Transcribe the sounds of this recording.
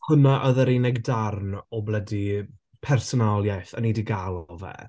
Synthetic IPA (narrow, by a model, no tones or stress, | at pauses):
hʊnaʔɔðəɾenɛɡdarnɔblˠɛdi | pʰɛrsɔnalˠjajθənidiɡalˠɔvɛ̰